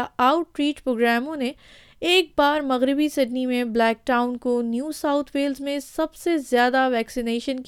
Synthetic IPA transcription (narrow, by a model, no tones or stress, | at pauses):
aːʊʈɾiːʈpɾoːɡɾɛːmõne | eːk̚baːɾmɐɣɾɪbisɪɖnimẽblɛːk̚ʈaːʊnkonjuːsaːʊt̪ʰʋeːlzmẽsɐbsezjaːd̪aʋɛːksɪneːʃənk